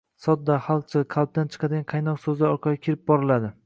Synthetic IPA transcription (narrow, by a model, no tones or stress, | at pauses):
sɒd̪̚ːaχɑlˠqt͡ʃʰɪqʰɑlˠp̚d̪ant͡ʃʰɨ̥qʰɑd̪ɪɡʲanqʰɑjnɒqsɵzɪɒɾqʰaɡʲakʲʰɪɾɪp̚bɒɾɪlad̪ɪ